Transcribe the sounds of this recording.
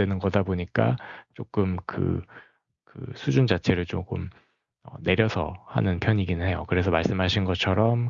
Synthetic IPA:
wenɯnɡʌdaboɲik͈a̰t͡ɕ͈ok͈ɯmkɯ̰ | kɯ̰sʰud͡ʑund͡ʑat͡ɕʰe̞ɾɯɭt͡ɕok͈om | ʌ̰ne̞ɾjʌsʰʌha̰nɯnpʰjʌɲiɡinɯnɦe̞jokɯɾe̞s̬ʰʌmaɭs͈ɯmɦaɕʰinɡʌt͡ɕʰʌɾʌm

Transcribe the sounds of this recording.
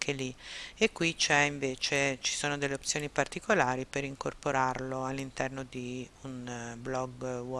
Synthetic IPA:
kʰeliekːwit͡ʃɛiɱveːt͡ʃet͡ʃi̥soːnod̪elːeop̪̚sːjoːnipart̪ikolaːɾipeɾiŋkorpoɾarloalːint̪ɛrnod̪iunblɔɡwɔ

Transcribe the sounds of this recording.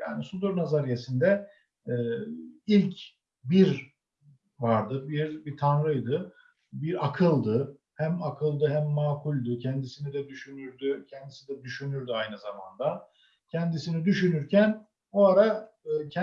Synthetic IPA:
ja̰ːnisud̪uɾnazaɾijesind̪ɛː | ilʲcʰ | biɾ | vaɾd̪ɯbiɾbit̪ʰanɾɯjd̪ɯ | biɾakʰɯlˠd̪ɯ | hæmakʰɯlˠd̪ɯɦæmːaːkʰulʲd̪ucʰɛnd̪isinid̪ɛd̪yʃynyɾd̪ycʰɛnd̪isid̪ɛd̪yʃynyɾd̪yajnɯzamand̪a | cʰɛnd̪isinid̪yʃynyɾcʰæn | boaɾa | ɯːcʰɛ

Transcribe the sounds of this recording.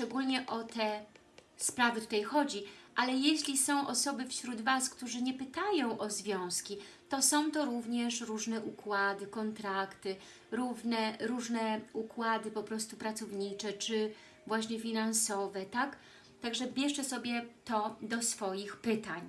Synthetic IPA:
ʂt͡ʂɛɡulɲɛʔɔt̪ɛ | spɾavɘt̪ut̪ajxɔd͡ʑiʔalɛjeɕlʲisɔ̃w̃ʔɔsɔbɘfɕɾud̪vaskt̪uʐɘɲɛpɘt̪ajɔ̃w̃ʔɔzvʲjɔ̃w̃skʲi | t̪ɔsɔ̃w̃t̪ɔɾuvɲɛʂɾuʐnɛʔukwad̪ɘkɔnt̪ɾakt̪ɘ | ɾuvnɛɾuʐnɛukwad̪ɘpɔpɾɔst̪upɾat̪sɔvɲit͡ʂɛt͡ʂɘ | vwaɕɲɛfʲinansɔvɛt̪ak | t̪aɡʐɛbʲjɛʂt͡ʂɛsɔbʲjɛt̪ɔd̪ɔsfɔjixpɘt̪aɲ

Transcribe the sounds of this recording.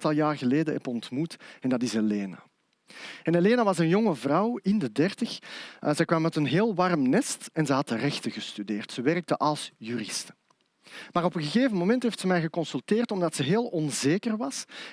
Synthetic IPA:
tɑlˠjaːrɣəleːdəɛ̰pɔntmutɛndɑtɪseleːna̰ | ɛneleːnaʋɑsənjɔŋəvrɑwɪndədɛrtəxzɛjkwɑmːɛtənɦeːlˠʋɑrmnɛstɛnzɛɦɑtərɛxtəɣəstydeːrtsəʋɛrək̚təʔɑlˠsjyɾɪstə | maːɾɔpənɣəɣeːvənmomɛntɦeːftsəmɛjɣəkɔnsylˠteːrtɔmdɑtsəɦeːlˠɔnzeːkərʋɑs

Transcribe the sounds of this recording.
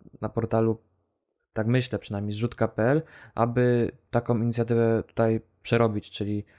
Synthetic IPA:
napɔɾt̪alu | t̪akmɘɕlɛpʂɛnamʲejzʐut̪kapɛɛlʔa̰bɘt̪akɔ̃w̃iɲit̪sʲjat̪ɘvɛt̪u̥t̪aj | pʂɛɾɔbʲit͡ɕt͡ʂɘlʲi

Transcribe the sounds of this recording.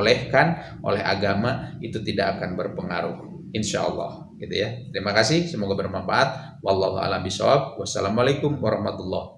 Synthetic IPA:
lɛhkan | ʔo̰lɛɦa̰ɡamait̪ut̪idakːkanbərpəŋaɾʊh | inʃa̰ʔɑ̰lˠˤːɑ̰h | ɡit̪ujat̪əɾimakasɪhsəmoɡabərmanfaʔat̪̚ | wɑlˠˤːɑɦua̰lambisa̰wab̚wasalamalajkʊmwaɾɑhmat̪ulːɑh

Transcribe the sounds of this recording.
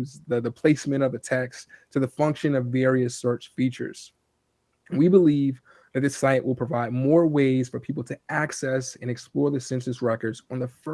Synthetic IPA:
zðɨðɨpʰl̥eɪsmɨ̃ɾ̃ʌvɨtʰɛkstʰɨðɨfʌ̃ŋkʃɨ̃nʌvɛɹiɨsɜ˞t͡ʃfit͡ʃə̰˞z̥ | wibəliv | ðɨt̪̚ðɪsaɪɨ̃nʔwəlˠpʰɹ̥əvaɪd̚mɔɹweɪz̥fə˞pʰipl̩ˠtʰɨæksɛsɨ̃nɨksplɔɹðɨsɪ̃nsɨsɹɛkə˞dzn̩ðəf

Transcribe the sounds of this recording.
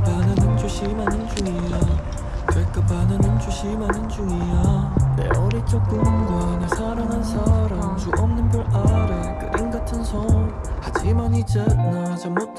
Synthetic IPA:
panɯnɯnd͡ʑuɕʰimanɯnd͡ʑuŋija | t͡ɕʌɭk͈apanɯnɯnd͡ʑuɕʰimanɯnd͡ʑuŋijamḛʌɾit͡ɕ͈ok̚k͈ɯnɡʌnesʰaɾaŋɦansʰaɾamd͡ʑuʔʌmnɯnpjoɭaɾɯ | k͈ɯ̰ʔinɡatʰɯnsʰʌ | kad͡ʑimaɲit͡ɕɯnad͡ʑammot

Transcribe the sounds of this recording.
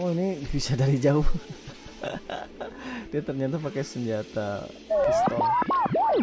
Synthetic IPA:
oinibisadaɾid͡ʒaʊh | d̥iat̪ərɲat̪apakajsəɲd͡ʒat̪a̰ɛst̪ɔ

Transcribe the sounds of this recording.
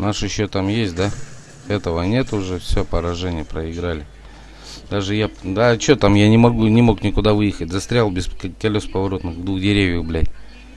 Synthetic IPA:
naʂɨɕːot̪amjesʲt̚ʲd̪a | ɛt̪əvənʲe̞t̪ʊʐɛfsʲopəɾɐʐɛnʲɪjəpɾəɪɡɾalʲɪ | d̪aʐɨjad̪at͡ɕot̪amjanʲɪmɐɡunʲɪmo̞knʲɪkʊd̪avɨjɪxətʲzɐst̪ɾʲalˠbʲɪskɐlʲo̞spəvɐɾo̞t̪nɨxvd̪vuxdʲɪɾʲevʲjəxblʲæjʲ

